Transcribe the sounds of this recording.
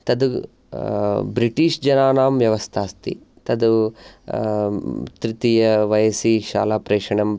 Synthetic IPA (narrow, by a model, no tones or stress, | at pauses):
t̪ɐd̪u | bɾiʈiːʂd͡ʒɐnaːnaːmʋjɐʋɐst̪ʰaːst̪ḭ | t̪ɐd̪u | t̪ɾit̪ijɐʋɐjɐsiːʃa̰ːlaːpɾeːʂɐɳɐm